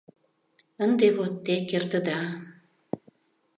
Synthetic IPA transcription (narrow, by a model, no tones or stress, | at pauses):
ənd̪eβot̪ːekerd̪ə̆d̪ɑ